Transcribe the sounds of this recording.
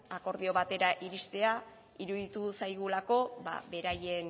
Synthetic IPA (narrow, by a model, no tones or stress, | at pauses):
ako̞ɾð̞io̞βat̪e̞ɾaʔiɾist̪e̞a | iɾuðit̪usajɣ̞ulako̞ba̰βe̞ɾaje̞n